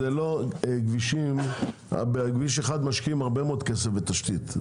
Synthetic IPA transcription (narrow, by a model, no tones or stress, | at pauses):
eloɡviʃim | a̰beɡviʃeχad̪maʃkiimaʁbemood̪kesefbet̪aʃt̪it̪